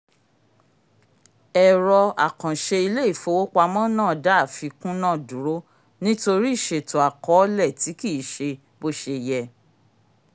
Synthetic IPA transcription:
ɛ˨ɾɔ˧a˨kã˨ʃe˧i˧le˦i˦˨fo˨˧wo˦k͡pa˧mɔ̃˦nãː˦˨da˨˦a˦˨fi˧kũ˦nã˦˨dũ˨ɾo˨˦ | nĩ˦to˧ɾi˦˨ʃe˨to˨a˨kɔ˨˦lɛ˦˨ti˨˦ki˦˨ʃe˧ | bo˦˨ʃe˧jɛ˧

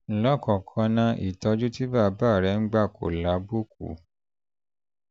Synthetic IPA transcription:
lɔ˦˨kɔ̃˨kʰɔ̃˧nã˧ʔḭ˨tɔ˧d͡ʒu˦ti˦ba˦˨˧ba˦˨ɾɛ˧˦ŋ̩˦ɡ͡ba˦˨kʰo̰˨la˨˧˦bo˦k̚ṵ˨

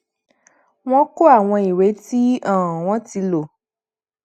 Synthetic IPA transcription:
w̃ɔ̃˦ko˦a˦˨w̃ɔ̃˧i˨ɾe˨˦ti˦ã˦˨w̃ɔ̃˨˦ti˧lo˨

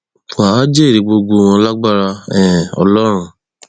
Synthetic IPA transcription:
aː˨˦d͡ʒe˦˨ɾi˨ɡ͡bo˧ɡo˧˦˧w̃ɔ̃˧la˦ɡ͡ba˦ɾa˧ɛ˨ɔ̰˧lɔ˦ɾ̃ũ˦

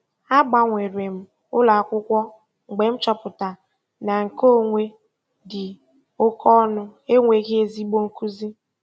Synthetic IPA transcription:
a˦ɡ͡ba˦ŋʷe˨ɾwe˨m̩˨ | ʊ˦la˨kʷʊ˦kʷɔ˦ | ŋ͡m̩˨ɡ͡be˨m̩˦t͡ʃɔ˦pʊ˨ta˨ | na˨ŋ̩˨ko˦˨ŋʷe˦ | dɪ˨ | ʊ˦kɔ˦nʊ˦e˦ŋʷe˨ɣe˦e˨zi˦ɡ͡bo˦ŋ̩˦ku˦zi˦

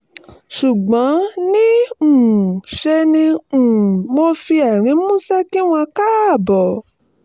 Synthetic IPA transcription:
ʃu˨ɡ͡bɔ̃˨˦nĩ˦ũ˨ʃe˧nĩ˧ũ˨mo˧fi˧a˨ɾ̃ĩ˨˦mũ˦sɛ˦ki˦w̃ɔ̃˧ka˦˨bɔ˨

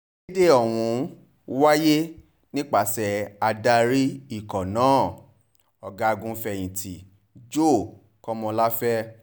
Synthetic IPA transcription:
de˦ɔ˦˨w̃ũ˧˦ | wa˦je˦ | nĩ˦k͡pa˦˨sɛ˨a˧da˧ɾi˦i˦˨kɔ˨nãː˨˦˨ | ɔ˨ɡa˧˦˧ɡũ˧fɛ˧˨j̃ĩ˨tʰi˨ | d͡ʒo˦˨ | kɔ˦mɔ̃˧la˦fɛ˦

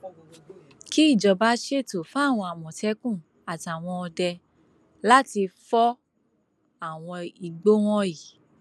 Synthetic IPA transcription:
ki˦i˦˨d͡ʒɔ˨ba˨˦ʃe˦˨to˨fa˦˨w̃ɔ̃˧a˨mɔ̃˨tɛ˨˦kũ˦˨ | a˨ta˨w̃ɔ̃˧ɔ˧dɛ˧ | la˦ti˧fɔ˦ | a˦˨w̃ɔ̃˧i˧ɡ͡bo˦w̃ɔ̃˦i˨

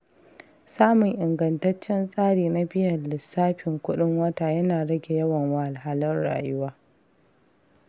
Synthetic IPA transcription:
saː˦mʊ˨ŋʔɪ˨ŋɡɐ˨ntɐ˦t͡ʃːɛ˦nsʼaː˦ɽiː˨na˦bɪ˦jɐ˨nllɪ˨sːaː˦ɸɪ˨ŋkʷʊ˦ɗɪ˦ŋwɐ˦ta˨jɐ˦naː˨ɽɐ˦ɡʲe˨jɐ˦wɐ˨ŋwa˦ʔa˨ɦaː˦lɪ˦nɽa̰ː˨jʊ˦waː˦

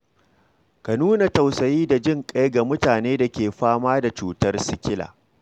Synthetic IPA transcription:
ka˨nuː˦na˨tɐ˨wsɐ˨jiː˦da˨d͡ʒɪ˦ŋkʼa˦jɡa˨mʊ˦taː˨neː˦da˨kʲeː˨ɸaː˦maː˦da˨t͡ʃuː˦tɐ˦rsɪ˦kʲɪ˦la̰ː˨

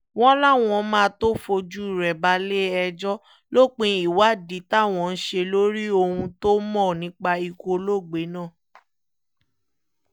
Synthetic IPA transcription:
w̃ɔ̃˦la˦˨w̃ɔ̃˧˦mãː˦˧˦to˦fo˧d͡ʒu˦i˦˨ɾɛ˨ba˧le˦ɛ˧d͡ʒɔ˦ | lo˦k͡pẽ˧i˨wa˨˦˨di˨˦ta˦˨w̃ɔ̃˨˧n̩˦ʃe˧lo˦ɾi˦o˧hũ˧to˦mɔ̃˦˨nĩ˨˦k͡pa˧i˧ko˧lo˦˨ɡ͡be˨˦nãː˦˨

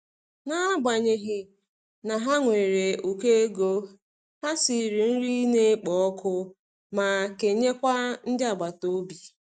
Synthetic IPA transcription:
na˦a˦ba˨ɲe˨ɦɪ˨ | na˨ɦa˦ŋʷe˨ɾe˨u˨ke˦e˦ɡo˦ | ha˦si˨˦˨ɾi˨n̩˦ɾi˦ne˦k͡pɔ˨ɔ˦kʰʊ˦ | ma˨ke˨ɲe˦kʷa˦n̩˦d͡ʒa˦˨ɡ͡ba˨to˦bi˨

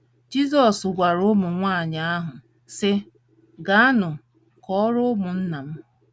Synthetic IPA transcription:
d͡ʒi˦zɔ˨sɡʷa˨ɾʊ˦mʊ˨ŋʷaː˦˨ɲa˨a˦ɦʊ˨ | sɪ˦ | ɡa˨˦a˦nʊ˨ | kɔ˦ɾʊ˦mʊ˨n̩˦na˨m̩˦

